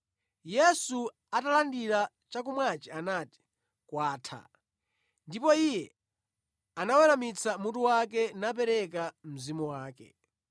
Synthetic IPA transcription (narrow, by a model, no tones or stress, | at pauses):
jɛsu | atalandiɾa | t͡ʃak̬umwat͡ʃianati̥ | kwaːtʰa̰ | ndipɔijɛ | anawɛɾamit͡sʰamutuwak̬ɛnap̬ɛɾɛk̬am̩zimuwaːkɛ̰